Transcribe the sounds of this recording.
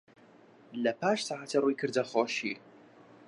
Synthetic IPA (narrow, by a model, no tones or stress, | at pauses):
lɐpʰaːʃsaʕatʰɐrwikʰɨrdɐχɔʃiːr